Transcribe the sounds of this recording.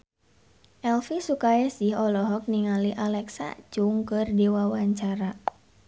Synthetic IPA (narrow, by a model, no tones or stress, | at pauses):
ʔɛlfisukajasihɔlɔɦɔk̚niŋaliʔalɛksa̰t͡ʃuŋkɨrdiwawaɲt͡ʃaɾa